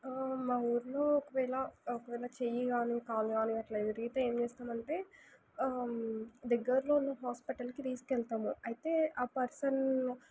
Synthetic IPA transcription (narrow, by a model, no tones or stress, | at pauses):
maːuːɾloːɔkɐʋɛːɭɐɔkɐʋɛːɭɐt͡ʃejiɡaːnikaːluɡaːniɐʈlɐt̪iɾiɡit̪ee̞ːmt͡ʃeːst̪aːmɐɳʈe̞ː | d̪ɛɡːɐɾlo̞ːunːɐɦaːspiʈɐlkit̪iːskɛɭt̪aːmuɐjt̪e̞ːaːpɐɾsɐn